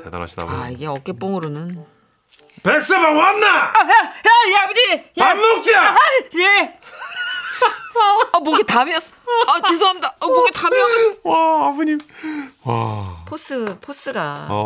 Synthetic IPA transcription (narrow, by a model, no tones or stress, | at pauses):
ted̪a̰ɾa̰ɕʰida̰a̰iɡe̞ʌk͈ep͈oŋɯɾonɯn | pek̚s͈ɯbaŋannajajabud͡ʑijpammok̚t͡ɕiaje | amoɡetamiʌs͈ | at͡ɕes̬ʰoɦamidamoɡetamiʌɡawaabuɲimwa̰pʰos͈ɯpʰos͈ɯɡa̰